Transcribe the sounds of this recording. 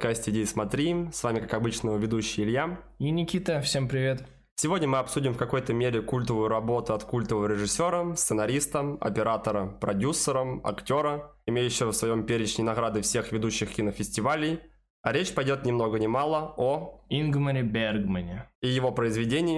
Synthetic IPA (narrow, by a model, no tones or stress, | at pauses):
ɐt̪kasʲtʲɪdʲeɪsmɐt̪ɾʲimsvamʲɪkakɐbɨt͡ɕnəəvʲɪd̪uɕːɪjɪlʲjaminʲɪkʲit̪əfsʲempɾʲɪvʲe̞t̪ | sʲɪvodʲnʲəmɨɐpsudʲɪmfkɐko̞jt̪əmʲeɾʲɪkulʲt̪əvʊjʊɾɐbo̞t̪ʊɐt̪kulʲt̪əvəvəɾʲɪʐɨsʲːo̞ɾəst̪sɨnɐɾʲist̪əmɐ̰pʲɪɾat̪əɾəpɾɐdʲusːəɾəmɐ̰ktʲo̞ɾə | ɪmʲejʉɕːɪvəfsvɐjo̞mpʲeɾʲɪt͡ɕnʲəjnɐɣɾad̪ɨfsʲe̞xvʲɪd̪uɕːɪxkʲinəfʲɪsʲtʲɪvalʲɪj | ɐɾʲet͡ɕpɐjdʲo̞t̪nʲɪmno̞ɡənʲɪmalˠəoinɡməɾʲɪbʲerɡmənʲɪijɪvo̞pɾəɪzvʲɪdʲenʲɪjɪ